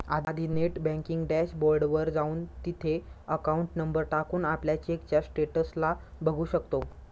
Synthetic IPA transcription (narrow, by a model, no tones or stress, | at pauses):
a̰d̪ad̪ʱineʈbæ̃ŋkiŋɡɖæɕboɾɖʋəɾd͡zauːnt̪it̪ʰeəkauɳʈnəmbəɾʈakuːnapljat͡ɕiekt͡ɕjasʈeʈəslabʱəɡʱuːɕəkt̪o